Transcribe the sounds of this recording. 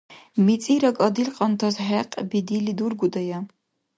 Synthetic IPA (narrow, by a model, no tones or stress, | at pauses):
mit͡sʼiɾɐkʼɐd̪ilqʼɐnt̪ʰɐsħɛqʼbid̪ilid̪urɡʷʊd̪ɐjɐ